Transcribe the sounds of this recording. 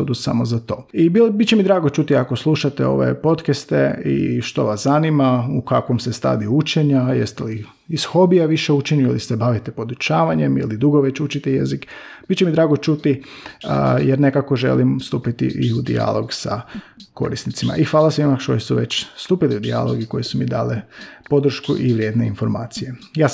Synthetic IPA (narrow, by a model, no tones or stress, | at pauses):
od̪usa̰mozat̪o̞ːibilbit̪t͡ɕemid̪ɾaːɡot͡ʃut̪iako̞slˠuʃat̪eo̞̰ʋḛpo̞t̪kest̪eḭʃt̪o̞̰ʋaszanimaukakʋomsest̪a̰d̪iut͡ʃeɲajest̪eli | iz̥xo̞bijaʋiʃeut͡ʃeɲilisebaʋit̪epo̞d̪ut͡ʃaːʋaɲemḭlid̪uɡoʋet͡ɕut͡ʃit̪ejḛzikb̥itt͡ʃemid̪ɾaːɡot͡ʃut̪i | jɛɾnekakoʒḛlimst̪uːpit̪ḭʔiud̪ḭa̰lˠo̞ɡsa̰ko̞̰ɾisnit̪sima̰ʔixʋaːlˠasʋimakʃt̪osuʋet͡ɕst̪uːpiliud̪ḭa̰lo̰ɡiko̞jesumid̪a̰ːlepo̞d̪ɾ̩ʃkṵʔiʋɾʲjed̪neinfo̞ɾma̰ːt̪sije̞jaː